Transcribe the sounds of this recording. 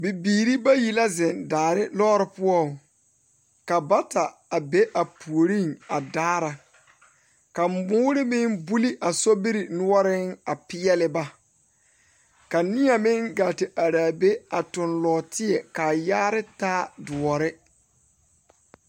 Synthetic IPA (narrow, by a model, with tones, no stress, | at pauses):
bi˨biː˨ɾi˦ba˦ji˨la˦zɪ˨ndaː˨ɾɪ˦lɔː˦ɾɪ˦pʊ˦ɔ˦˨ | ka˨ba˦ta˨a˨be˦ʔa˨pu˨o˨ɾi˦˨ŋa˨daː˦ɾa˨ | ka˨m˨mʊː˦ɾɪ˦mɪ˦ŋbu˦li˦ʔa˨so˦bi˦ɾi˨nʊ˦ɔ˦ɾɪ˦ŋa˨pɪ˦ɛ˦lɪ˦ba˦ | ka˨nɪ˦a˨mɪ˦ŋɡa˨tɪ˨ʔa˨ɾaː˨be˦a˨tʊ˨nlɔː˨tʰɪ˦ɛ˨ka˨jaː˦ɾɪ˦taː˦dʊ˨ɔ˨ɾɪ˦